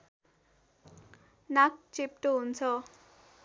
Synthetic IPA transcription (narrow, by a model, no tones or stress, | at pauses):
nak̚t͡sip̚ʈoɦunt͡sʰɔ